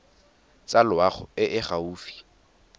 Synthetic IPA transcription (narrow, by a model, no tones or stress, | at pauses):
t͡sʼalʊaχʊ̰ɪʔɪχauːfi̥